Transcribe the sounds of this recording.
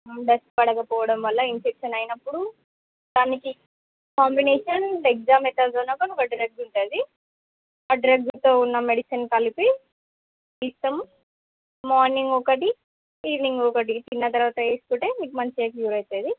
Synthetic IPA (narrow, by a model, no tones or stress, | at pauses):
ɖɐsʈpɐɽɐkɐpɔːʋɐɽɐmʋɐlːɐinfekʂɐnɐjnɐpːuɽu | d̪aːniki | kaːmbineːʃɐnek̚d͡ʒaːmeʈ̪azoːnɐkɐnukɐɖiɾeɡ̚ɖuɳʈaːd̪i | ɐɖɾɐɡ̚dut̪oːunːɐmeɽisɐnkɐlipi | isʈɐmː | aːɾniŋɡɔkɐʈi | hiːɾniŋɡokɐʈ̬it̪inːɐt̪ɐɾʋaːt̪ɐeːskuʈemiːkumɐɲt͡ʃieːkljuːɾɐjt̪ɐːd̪i